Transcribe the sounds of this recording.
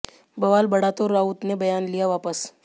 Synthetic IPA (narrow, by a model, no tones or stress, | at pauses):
bɐʋaːlbɐɽaːt̪oɾːaːʊt̪nebɐjaːnlijaʋaːpəs